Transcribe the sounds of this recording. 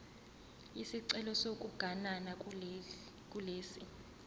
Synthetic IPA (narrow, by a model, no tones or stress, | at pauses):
isiǀɛlɔsok̬ʼuɡ̥ʱanana | kʼuleːsi